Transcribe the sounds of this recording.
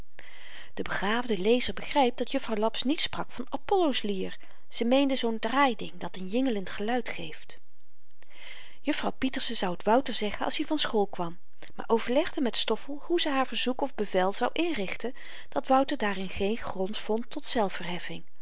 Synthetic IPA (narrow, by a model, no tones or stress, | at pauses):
d̥əbəχaːvdəlejzəɹbəχrɛjp̚d̥ɑtjɵfrɑwlɑpsnitsprɑkfɑnapɔlowsliːɹ | z̥əmejndəzowndraːjdɪŋdɑtənjɪŋələntχəlœɥtχejft | jɵfrɑwpitəɹsənzɑwətʋʌwtəɹzɛχənʔɑ̰shɛvɑnsχolˠkʋɑm | ma̰ːɹʔowvəɹlɛχdəmɛtstɔfəlˠhuzəɦaːɹvəɹzukɔvbəvɛlˠz̥ɑwʔɪnrɪχtən | d̥ɑtʋʌwtəɹdaːrɪnχejnχrɔntfɔntʰːɔtsɛlˠfəɹɦɛfɪŋ